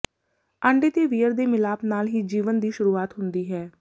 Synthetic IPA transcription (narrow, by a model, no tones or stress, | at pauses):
əɳɖeːt̪eːʋiːəɾd̪eːmɪlaːpnaːlɦiːd͡ʒiːʋənd̪iːʃʊɾuːaːt̪ɦʊnd̪iːɦɛː